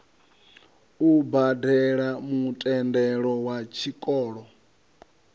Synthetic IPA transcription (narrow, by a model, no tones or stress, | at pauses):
ubadɛɺamutʼɛndɛɺɔwat͡ʃʰikʼɔːɺɔ